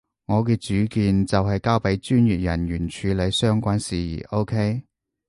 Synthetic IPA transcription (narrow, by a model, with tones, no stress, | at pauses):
ŋɔː˨˧k̬ɛː˧t͡ʃyː˨˥kiː˨˧nt͡sɐ˨wɦɐ˨jkaː˥wpe˨˥jt͡ʃyː˥njyː˨t̚jɐ˨˩njyː˨˩nt͡ʃʰyː˨˧le˨˧˥jsœː˥ŋkʷaː˥nsiː˨jḭː˨˩ʔo˥wkʰe˥j